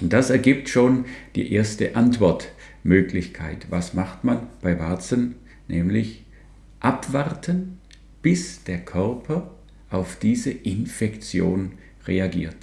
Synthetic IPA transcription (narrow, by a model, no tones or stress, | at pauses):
ʊnt̚d̥asɛɐɡiːp̚tʃoːnd̥ḭːʔeːɐstəʔantv̥ɔɐt | møːklɪçkʰa̰ɪtvasmaχtmanb̥aɪvaɐt͡sən | nʔɛːmlɪç | ʔapv̥aʁtʰən | b̥ɪsd̥eːɐkʰœʁpʰɐ | ʔaʊfd̥iːzəʔɪnfɛkt͡sjo̰ːn | ʁeaɡḭːɐt